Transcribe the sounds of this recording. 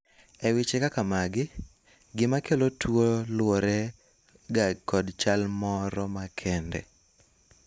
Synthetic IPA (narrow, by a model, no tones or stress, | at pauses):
ɛwɪt͡ʃekakamaɡɪ | ɡɪmakʰelotwolwoɾɛ | ɡakɔdt͡ʃalmɔɾɔmakʰɛndɛ̰